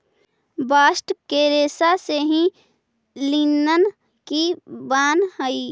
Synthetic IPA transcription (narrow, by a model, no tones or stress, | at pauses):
baːsʈkeɾeːsaseɦĩ | linən | kibaːnhəi